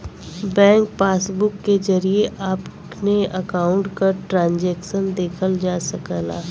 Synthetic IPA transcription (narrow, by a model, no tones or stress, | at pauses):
bɛ̃ːŋk̚paːsbʊkːed͡ʒɐɾieʔaːp | neɐkaːʊ̃ɳʈkaʈɾãːnd͡ʒɛːkʃənd̪eːkʰəld͡ʒaːsɐkəla̰ː